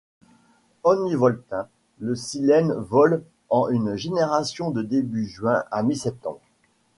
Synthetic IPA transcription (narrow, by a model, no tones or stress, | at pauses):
ɔnivɔlt̪ɛ̃ | ləsilɛnvɔl | ɑ̃ynʒeneʁasjɔ̃d̪əd̪ebyʒɥɛ̃ʔamisɛp̚t̪ɑ̰̃bʁ